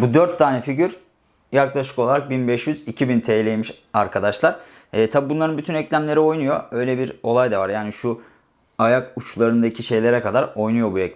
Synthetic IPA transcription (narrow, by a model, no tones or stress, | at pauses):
bud̪øɾt̪ʰːaːnɛfiɟyɾ | jaklˠaʃɯ̥ko̞lˠaɾak̚binbɛʃjyzicʰibint̪ʰejlʲejmiʃ | aɾkʰad̪aʃlˠaɾ̥ | ɛːt̪ʰabibunlˠaɾɯnbyt̪ʰynɛclʲæmlʲe̞ɾio̞jnujo̞ø̞jlʲebiɾo̞lˠajd̪avaɾjaːniʃu | ajakut͡ʃlˠaɾɯnd̪acʰiʃe̞jlʲeɾɛkad̪aɾo̞jnujo̞buɛc